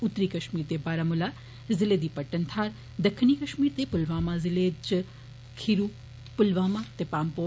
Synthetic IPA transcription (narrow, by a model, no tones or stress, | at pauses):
ʊt̪ːɾikɐʃmiːɾt̪ebaːɾamula | zɪled̪ipəʈːənt̪ʰaːɾ | d̪əkʰːnikɐʃmiːɾt̪epʊlʋaːmãzɪled͡ʒ | kʰiɾu | pʊlʋaːmãt̪epaːmpo